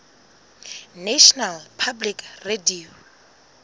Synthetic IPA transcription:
nɛʃɔnalpʰablikredio

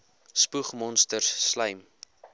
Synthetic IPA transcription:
spuχmɔnstərsːləjm

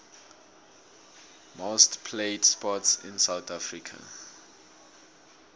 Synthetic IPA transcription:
mostpʰleɪdspɔtsɪ̰̃nsawθafɹikʰa̰

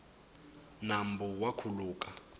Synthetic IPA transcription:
nambuwakʰuluːkʼa

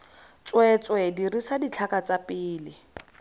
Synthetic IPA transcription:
t͡swɛt͡swɛdirisadit͡ɬʰakat͡sapɪːlɪ

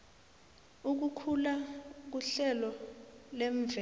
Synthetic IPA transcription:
uk̬ukʰulak̬uɬɛlɔleɱvʱɛ

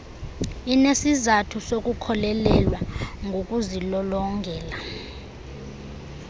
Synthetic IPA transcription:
inesizatʰusok̬ʼukʰɔlɛlɛlwaŋɡʱokʼuzilɔlɔŋɡʱɛːla

